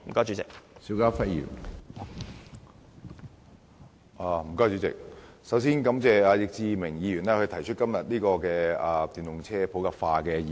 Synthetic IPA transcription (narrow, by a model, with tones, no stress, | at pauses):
m̩˨˩kɔː˥t͡ʃy˨˥t͡sɪ˨k̚siː˨˥kaː˥fɐ˥tjy̰ː˨˩n | ʔaː˧m̩˨˩kɔː˥jt͡ʃy˨˧˥t͡sɪ̰˨k̚ | sɐ˨˥ws̬iː˥nkɐ˨˥mt͡sɛː˨aː˧jɪ˨k̚t͡siː˧mɪ˨˩ŋjiː˨˧jyː˨˩nɛː˥kʰɵ˧t̪ʰɐ˨˩jt͡ʃʰɵ˥t̚kɐ˥mjɐ˨t̚liː˥kɔː˧kɛː˧aː˨˩t̪yː˨˩nʊ˨ŋt͡sʰɛː˥pʰo˨˥wkaː˨˧p̚faː˧kɛː˧ji˨